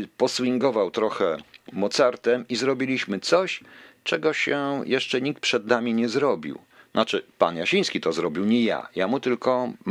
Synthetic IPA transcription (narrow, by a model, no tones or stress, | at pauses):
pɔswiŋɡɔvawt̪ɾɔxɛmɔt̪saɾt̪ɛmizɾɔbʲilʲiɕmɘt̪sɔɕt͡ʂɛɡɔɕɛjɛʂt͡ʂɛɲik̚t̪̚pʂɛd̪namʲiɲɛzɾɔbʲḭw | nʔat͡ʂɘpa̰njaɕij̃skʲit̪ɔzɾɔbʲiwɲɛja̰jamut̪ɘlkɔ